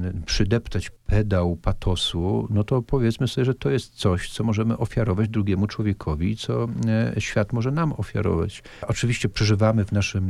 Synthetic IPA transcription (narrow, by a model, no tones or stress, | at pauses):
pʂɘd̪ɛpt̪at͡ɕpʰɛd̪awpat̪ʰɔsunɔt̪ɔpɔvʲjɛt̪smɘsɔbʲɛʐɛt̪ɔjɛst̪̚t̪sɔɕt̪sɔmɔʐɛmɘʔɔfʲjaɾɔvad͡ʑd̪ɾuɡʲjɛmut͡ʂwɔvʲjɛkʰɔvʲit̪sɔɕfʲjat̪mɔʐɛnamɔfʲja̰ɾɔ̰va̰t͡ɕ | ɔt͡ʂɘvʲiɕt͡ɕɛpʂɛʐɘvamɘvnaʂɘm